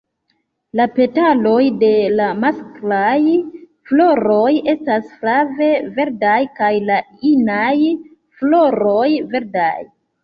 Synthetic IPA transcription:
lape̞talo̞jde̞lamasklaj | flo̞ɾo̞je̞stasflave̞ve̞ɾdajkajlainaj | flo̞ɾo̞jve̞ɾda̰j

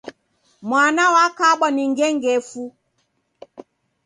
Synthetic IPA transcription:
mwanawakaɓɔniŋɡɛŋɡɛfu

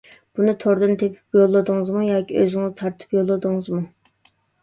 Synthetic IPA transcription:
b̥unɨt̪ʰoɾd̪ɨnt̪ʰepʰy̥pjolˠːɨd̪ɨŋɨzmujɑːkʲiʔøzɪŋɨzt̪ʰɑɾt̪ʰɨ̥pjolˠːɨd̪ɨŋɨzmu

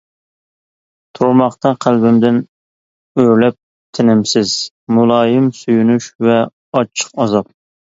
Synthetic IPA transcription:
t̪ʰoɾmɑχt̪ɑqʰælbɪmd̪ɪn | øɾlɛp̚ | t̪ʰɪnɪmsɪz̥ | mulˠɑːjɪmsyjunuʃvɛ | ɑt͡ʃʰːə̥qɑzɑp̚

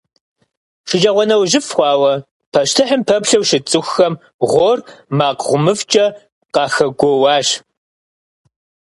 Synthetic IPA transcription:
ʂɪd͡ʒɐʁʷɔnɐwʒɪfxʷɑːwɐ | pʰɐʃtʰɨħəmpʰɐpɬɐwʃɪt͡sʼɨxːɐm | ʁʷormaːqʁʷʊmɨft͡ʃʼɐ | qɑːxɐɡʷowɑːɕ

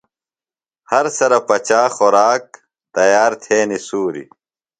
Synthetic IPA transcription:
hɐɾsɐɾɐpɐt͡ɕaːxoɾaːk̚ | t̪ɐjaːɾt̪ʰeːnisuːɾḭ

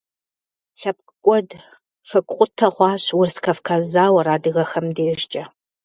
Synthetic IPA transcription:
ɬɐp̚kʷʼɔd | ʂɐkʷʼqʷʼʊtʰɐʁʷɑːɕwʊrskʰɐfkʰazaːwɐraːdɨɣɐxɐmdeːʒt͡ʃʼɐ

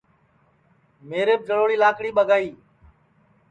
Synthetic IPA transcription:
meːɾeːp̚d͡ʒəɽoːɽiːlaːkɽiːɓəɡaːiː

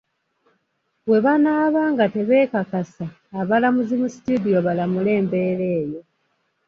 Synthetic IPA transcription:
βwe̞βanaːβaːŋɡate̞βe̞ːkakasaː | βalamuzimusi̥tudijo̞βalamule̞ːmbe̞ːɾe̞ːjo̞

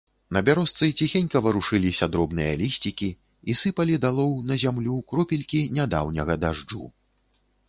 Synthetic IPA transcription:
nɐbʲaɾɔst̪sɨt͡sʲixʲenʲkɐvɐɾuʂɨlʲisʲɐd̪ɾɔbnɨjɐ̰lʲisʲt͡sʲikʲi | isɨpɐlʲid̪alˠɔwnɐzʲamlʲukɾɔpʲilʲkʲinʲad̪a̰wnʲɐɣɐd̪aʐd͡ʐṵ

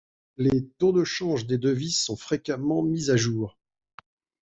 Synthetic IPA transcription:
let̪ɔ̃d̪əʃɑ̃ʒd̪ed̪əvizsɔ̃fχekamɑ̃mizaʒuːʁ

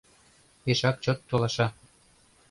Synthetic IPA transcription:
peʃɑk̚t͡ɕot̪ːolɑʃɑ

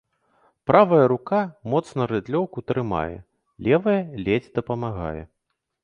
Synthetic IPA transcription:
pɾavɐjɐɾukamɔt̪snɐɾɛd̪lʲɔwkut̪ɾɨma̰jɛ̰ | lʲɛvɐjɛlʲɛd͡zʲd̪ɐpɐmaɣa̰jɛ̰

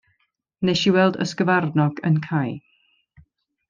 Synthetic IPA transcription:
neʃiwɛlˠdə̰skəvarnɔɡə̰nkʰaj

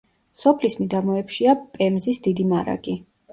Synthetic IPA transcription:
sɔpʰlismid̪amɔɛpʃiapʼɛmzisd̪id̪imaɾa̰ɡ̥i

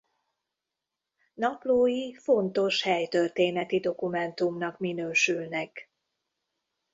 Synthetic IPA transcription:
nɒploːjifo̞nt̪o̞ʃhɛjt̪ørt̪eːnɛt̪id̪o̞kumɛnt̪umnɒkminøːʃylnɛk

